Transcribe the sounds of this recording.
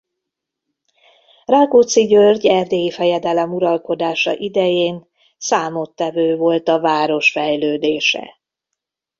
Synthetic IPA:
raːɡot̪siɟørɟɛrd̪eːjifɛjɛd̪ɛlɛmuɾɒlko̞d̪aːʃɒ̰ʔid̪ɛjeːn | saːmo̞t̪ːɛvøːvo̞lt̪ɒvaːɾo̞ʃfɛjløːd̪eːʃɛ̰

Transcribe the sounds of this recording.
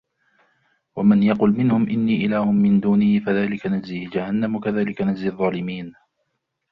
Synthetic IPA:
wamanjɑqʊlmɪnhʊmʔɪnːiːʔɪlaːhʊmːɪnd̪uːnɪhɪfaðaːlɪkanad͡ʒziːd͡ʒahanːamʊkaðaːlɪkanad͡ʒziðˤːɑːlɪmiːn

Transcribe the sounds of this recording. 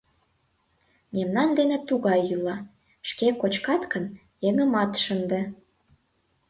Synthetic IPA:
memnɑnd̪enet̪uɣɑjylɑ | ʃkekot͡ɕkɑt̪kən | jeŋə̆mɑt̪ʃənd̪ĕ

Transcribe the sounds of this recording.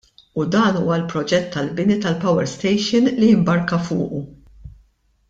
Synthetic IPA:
ud̪ɐːnuːwɐlpɾɔd͡ʒɛt̪ːɐlbɪnit̪ɐlpɐwɛɾst̪ɛjʃɪnlijɪmbɐɾkɐfʊ̰ːʔu

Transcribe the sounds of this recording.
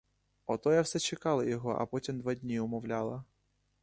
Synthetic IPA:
ɔt̪ɔjɐwsɛt͡ʃekɑlˠɐjɔɦɔʔɐ̰pɔtʲimd̪ʋadʲnʲiʊmɔwlʲalˠɐ

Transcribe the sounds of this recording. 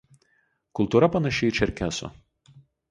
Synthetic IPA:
kʊlˠt̪uːɾɐpɐnɐʃʲɛɪt͡ʃʲɛɾʲkʲæso̰

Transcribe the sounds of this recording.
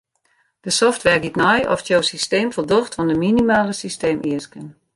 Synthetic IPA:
d̥əsɔftʋɛrɡitnɔjɔ̰ftjoːsisteːmfɔlˠdoxtfɔndəminimaːləsisteːmʔiəskən

